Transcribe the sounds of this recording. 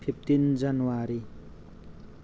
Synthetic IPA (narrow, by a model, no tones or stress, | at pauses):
pʰip̚t̪ind͡zanuwaɾi